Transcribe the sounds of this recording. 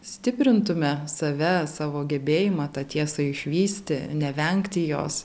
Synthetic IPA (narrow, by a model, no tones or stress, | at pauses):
sʲt̪ʲɪpʲɾʲɪnt̪ʊmʲɛsɐʋʲɛsɑːʋoːɡʲɛbʲeːjɪmɑːt̪ɑt̪ʲiɛsɐɪʃʲʋʲiːsʲt̪ʲɪnʲɛʋʲɛŋʲkt̪ʲɪjo̰ːs